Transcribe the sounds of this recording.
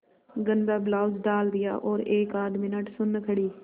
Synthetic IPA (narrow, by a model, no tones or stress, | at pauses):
ɡənd̪aːblaːʊd͡ʒɖaːld̪ɪja̰ːʔoːɾeːkaːd̪mɪnəʈsʊnkʰəɽiː